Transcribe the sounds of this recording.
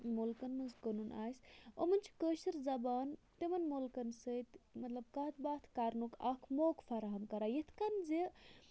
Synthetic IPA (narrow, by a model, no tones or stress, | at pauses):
molkɐnmɐnzkənuna̰ːsʲo̰mɐnt͡ʃʰi̥kəːʃiɾzɐbaːnt̪imɐnmolkɐnsət̪mɐt̪lɐb̚kɐːt̪ʰbaːt̪ʰkaːɾnukʰɐ̰kʰmoːkfɐɾaɦɐmkɐɾaːjit̪ʰkɐnze